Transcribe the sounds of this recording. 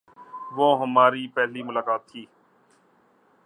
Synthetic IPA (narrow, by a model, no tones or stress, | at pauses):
ʋoːɦəmaːɾiːpɛɦliːmʊlaːkaːt̪ʰːiː